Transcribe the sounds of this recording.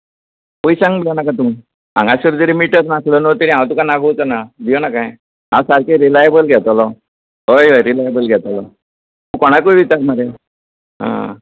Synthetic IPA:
pojsãŋɡbinakat̪um | ã̰ŋɡasəɾd͡zəɾimiʈəɾnakʰlɔnot̪əɾĩɦãwt̪ukanaɡʱowt͡sɔnad̪ijonakãj | ãwsaɾkeɾilajbəlɡʱɛt̪alɔ | ɦojojɾilajəbəlɡʱɛt̪alɔ | t̪ukɔɽ̃ajkojʋit͡saɾmaɾe | ɦã̰

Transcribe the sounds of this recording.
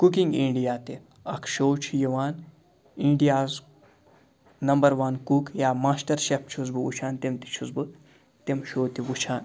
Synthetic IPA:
kukiŋɡiɳɖijaːt̪e | ɐkʰʃoːt͡ʃʰijiʋaːn | iɳɖijaːz | nɐmbɐɾʋɐnkukjaːmaːsʈɐɾʃep̚ʰt͡ʃʰuzbɨṵt͡ʃʰaːnt̪emt̪i̥t͡ʃʰuzbɨ | t̪emʃoːt̪iʋut͡ʃʰaːn

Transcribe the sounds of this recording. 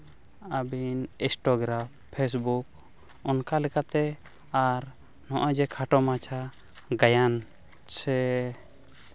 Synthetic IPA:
abinɛsʈɔɡɾam | pʰes̬buk | ɔnkalɛkat̪ɛ | aɾ | nɔʔad͡ʒɛkʰaʈɔmat͡ʃʰa | ɡajan | sɛ

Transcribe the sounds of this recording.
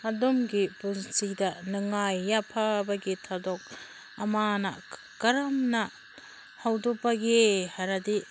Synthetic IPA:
adɔmɡipunsidɐnɯŋajːapʰabɐɡitʰadɔk̚ | ɐmanɐ̰ | kɐɾamnɐ | hawdɔpaɡehaɾadi

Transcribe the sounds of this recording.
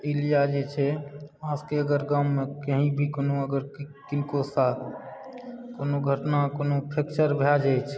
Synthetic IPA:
ilijad͡ʒet͡ʃʰɛaskeəɡəɾɡamẽkəɦĩbʱikonoəɡəɾkɪnkosat̪ʰ | konoɡʱəʈnakoːnopʰek̚t͡ʃəɾbʱjad͡ʒajt͡ʃʰ

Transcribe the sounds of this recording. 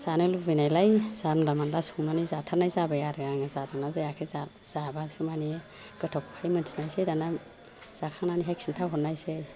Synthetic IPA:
z̥anɯluvinajlajz̥aɾmlamanlasuŋnanizatʰanajzabajaɾɯjaŋazadanazajakʰɯzaz̥abasɯmani | ɡ̥ɯtʰɔp̚ʰajmɯntʰinajsedana | z̥akʰaŋnaniɦajk̚sintʰaɦɔnajsej

